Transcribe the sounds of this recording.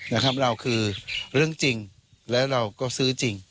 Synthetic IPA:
na˦˥kʰa˦˥p̚ɾa˧wkʰɯː˧ɾɯ˥˩əŋt͡ɕi˧ŋ | lɛː˦˥wɾa˧wkɔː˥˩sɯː˦˥t͡ɕi˧ŋ

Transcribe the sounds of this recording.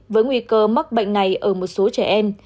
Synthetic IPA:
vəː˨˦jŋwi˧kəː˧ma˦˥k̚ɓə̰˧˨jŋ̟na˨˩jʔəː˧˩mo˨˩t̚so˨˦t͡ɕɛ˧˩ʔɛ˧m

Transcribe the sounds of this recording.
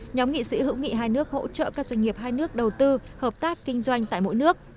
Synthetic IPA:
ɲɔ˨˦mŋḭ˧˨sḭ˧˥hɨ̰˧˥wŋḭ˧˨ɦaː˧jnɨ˦˥ək̚ho̰˧˥t͡ɕə̰ː˧˨kaː˦˥k̚zwa˧jŋ̟ŋi˨˩əp̚ɦaː˧jnɨ˦˥ək̚ɗə˨˩wt̪ɨ˧həː˨˩p̚t̪aː˦˥kːï˧ŋ̟zwa˧jŋ̟t̪a̰ː˧˨jmo̰˧˥jnɨ˦˥ək̚

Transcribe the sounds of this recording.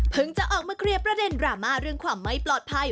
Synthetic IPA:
pʰɯ˨˦ŋt͡ɕa˨˩ʔɔː˨˩k̚maː˧kʰɾi˧əpɾa˧de˧nɾaː˨˩maː˧˩ɾɯ˥˩əŋkʰwaː˧mːa˦˥jplɔː˨˩t̪̚pʰa˧j

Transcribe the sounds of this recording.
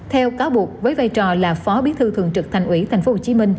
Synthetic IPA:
t̪ʰɛ˧wkaː˨˦wɓu˨˩ək̚vəː˨˦jvaː˧jt͡ɕɔ˨˩laː˨˩fɔ˨˦ɓi˨˦t̪ʰɨ˧t̪ɨ̰˧˨əŋt͡ɕɨ˨˩k̚t̪ʰjŋ̟ʔwi˧˩t̪ʰa˨˩ŋ̟fo˦˥ho˧˨˩t͡ɕi˨˦mï˧ŋ̟

